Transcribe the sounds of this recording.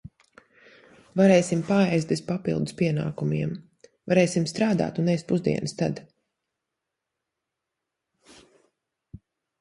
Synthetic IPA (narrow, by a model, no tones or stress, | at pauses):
vaɾɛːjsimpaːɛjst̪̚bespapḭlˠd̪uspiɛna̰ːkumiɛm | vaɾɛːjsimst̪ɾaːd̪a̰ːt̪unɛst̪puzd̪ḭɛnəst̪a̰d̪